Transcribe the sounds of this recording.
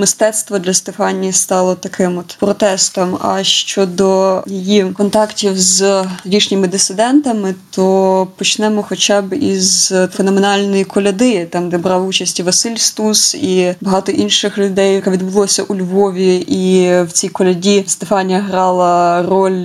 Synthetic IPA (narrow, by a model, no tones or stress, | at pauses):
mɪst̪ɛt̪st̪ʋɔd̪lʲɐst̪efɑnʲist̪ɑlˠɔt̪ɐkɪmɔt̪pɾɔt̪ɛst̪ɔmɐ̰ʃt͡ʃɔd̪ɔjɪjikɔnt̪ɑktʲiwzɾʲiʃnʲɪmɪd̪ɪsɪd̪ɛnt̪ɐmɪt̪ʰɔpɔt͡ʃnɛmɔxɔt͡ʃɑbḭzfenɔmenɑlʲnɔjikɔlʲɐd̪ɪt̪ɑmd̪ɛbɾɑwut͡ʃɐsʲtʲiʋɐsɪlʲst̪usibɐɦɑt̪ɔʔinʃɪxlʲʊd̪ɛjɐkɛʋʲid̪bʊlˠɔsʲɐʔulʲʋɔʋʲiʔiwt͡sʲijkɔlʲɐdʲist̪efɑnʲijɐɦɾɑlˠɐɾɔlʲ